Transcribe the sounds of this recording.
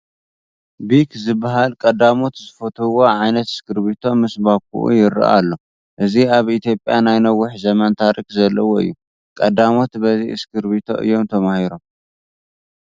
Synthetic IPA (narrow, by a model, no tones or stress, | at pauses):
bikzɨbːaɦalkʼɐd̪amo̞t̪zɨfot̪ʰuwoʕajnɐt̪ɨ̥skʰɨɾbit̪ʰo̞mɨsbak̚ʰṵʔṵjɪɾɨ̰ʔa̰lːo̞ | ʔɨziaβit̪ʰjo̞pʼjanajnɐwʊħzɐmɐnt̪ʰaɾikzɐlːɐwoɨ̰jːu | kʼɐd̪amo̞t̪bɐziɨskʰɨɾbit̪ʰo̞̰ʔɨ̰jːo̞mt̪ʰɐmahiɾo̞m